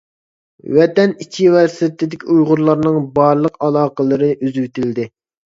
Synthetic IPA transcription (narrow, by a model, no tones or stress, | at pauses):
wɛt̪ɛnit͡ʃʰivɛɾsit̪ʰɪd̪ɪkʲʰiujʁʊɾlˠɑɾnɨŋbɑɾlˠəqɑlˠɑːqəlˠɨɾɨʔyzywt̪ʰɪld̪ɪ